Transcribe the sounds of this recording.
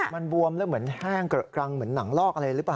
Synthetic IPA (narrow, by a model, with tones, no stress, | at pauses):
ma˧nbu˧əmlɯː˦˥˩mɯ˩˦ənhaː˥˩ŋkkɾa˧ŋmɯ˩˦ənːa˩˦ŋlɔː˥˩k̚a˧ɾa˧jɾɯː˦˥plaː˨˩